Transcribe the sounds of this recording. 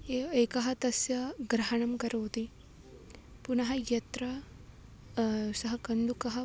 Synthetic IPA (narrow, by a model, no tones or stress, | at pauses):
eeːkɐɦɐt̪ɐsjɐɡɾɐɦɐɳɐmkɐɾɐːt̪i | punɐɦɐjɐt̪ɾɐ | sɐɦɐkɐnd̪ukɐɦɐ